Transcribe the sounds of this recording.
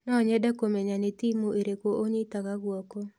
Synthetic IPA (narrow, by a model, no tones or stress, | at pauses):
nɔɲɛdakomeɲanet̪imoʔeɾekoʔoɲit̪aɣaɣwɔko